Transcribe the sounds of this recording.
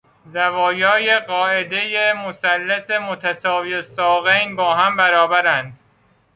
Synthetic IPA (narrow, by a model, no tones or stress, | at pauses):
zævɒːjɒːjeɢɒːʔe̞d̪e̞jemosælːesemot̪ʰæsɒːvisɒːɣejnbɒːɦæmbæɾɒːbæɾænd̪̥